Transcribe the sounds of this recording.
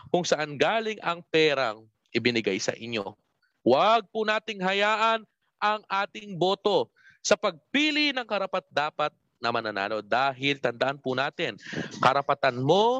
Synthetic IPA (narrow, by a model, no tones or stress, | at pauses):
kʊŋsɐʔanɡaːlɪŋʔɐŋpɛːɾɐŋ | ʔɪbɪnɪɡajsɐ̰ʔɪɲjo | waɡ̚pʊnaːt̪ɪŋɦɐjaːʔɐn | ʔɐŋʔaːt̪ɪŋbo̞ːt̪o̞ | sɐpɐɡ̚piːlɪnɐŋkɐɾɐpat̪̚d̪aːpɐt̪̚ | nɐmɐnɐna̰ːlo̞d̪aːɦɪlt̪ɐnd̪ɐʔanpʊnaːt̪ɪnkɐɾɐpɐt̪anmo̞